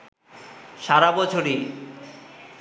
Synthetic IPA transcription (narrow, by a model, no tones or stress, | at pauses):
ʃaɾabɔt͡ɕʰoɾi